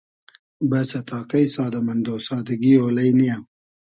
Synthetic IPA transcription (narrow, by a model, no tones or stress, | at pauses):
bɐsat̪ɑːqajsɑːd̪amɐnd̪oːsɑːd̪aɡioːlajnija